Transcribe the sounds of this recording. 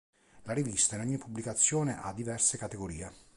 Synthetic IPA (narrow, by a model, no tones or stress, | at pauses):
laɾivist̪ainɔɲːipːubːlikat̪sːjoːneʔad̪ːivɛrsekat̪eɡoɾiːe